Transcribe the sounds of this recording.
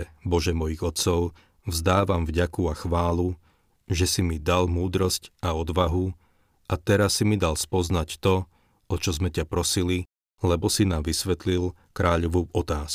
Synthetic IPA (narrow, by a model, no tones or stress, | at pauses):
bɔʒɛmɔjiɣɔt̪sɔʊ | vzd̪aːʋamvɟakuaxʋaːlu | ʒɛsimid̪almuːd̪ɾɔscaɔd̪ʋaɦu | ʔat̪ɛɾasːimid̪alspɔznact̪ɔ | ɔt͡ʃɔzmɛcapɾɔsili | lɛbɔsinaːmʋisʋɛt̪lil | kɾaːʎɔʋuːɔt̪aːsk